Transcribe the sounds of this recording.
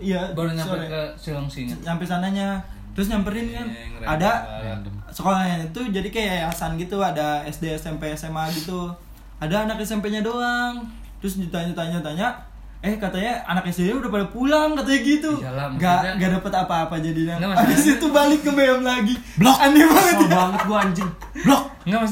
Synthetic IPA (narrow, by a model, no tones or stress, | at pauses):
ijaaksilaŋsiɲsampɛsanaɲat̪əɾʊs̬ɲampəɾɪnkanada | səkolaaɲanit̪ud͡ʒadikajaasanɡit̪uadaɛsdeɛsɛmpeːsɛmaɡit̪u | adaːnakɛsɛmpeɲadoaŋ | t̪əɾʊsɲut̪aɲat̪aɲat̪aɲa | ɛhkat̪aɲaa̰nakɛsdeɲabɾapadapulaŋkat̪aɲaɡit̪uɡaŋɡadapət̪apaːpad͡ʒadinaabisit̪ubalɪk̚ŋəmbeəmlaɡibloand͡ʒibaŋət̪̚jaaŋət̪̚ɡuaːɲd͡ʒɪŋ | blɔk̚ŋɡam